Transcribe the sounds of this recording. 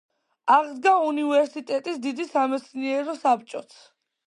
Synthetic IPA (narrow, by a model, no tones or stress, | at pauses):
aʁd̪ɡaunivɛɾsit̪ʼɛt̪ʼisd̪id̪isamɛt̪sʰniɛɾɔsap̚t͡ʃʼɔt̪sʰ